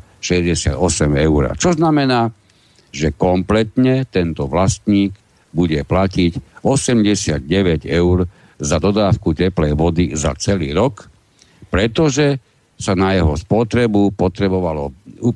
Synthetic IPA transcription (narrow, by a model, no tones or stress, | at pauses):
ʃɛzɟɛsɪa̰d̪ɔsɛmɛʊɾa̰t͡ʃɔznamɛnaː | ʒɛkɔmplɛt̪ɲɛt̪ɛnt̪ɔʋlast̪ɲiːɡ | buɟɛplacicɔsɛmɟɛsɪad̪̚ɟɛʋɛɟɛʊɾ | zad̪ɔd̪aːfkucɛplɛjʋɔd̪iza̰t͡sɛliːɾɔk | pɾɛt̪ɔʒɛ | sanajɛɦɔspɔt̪ɾɛbupɔt̪ɾɛbɔʋalɔ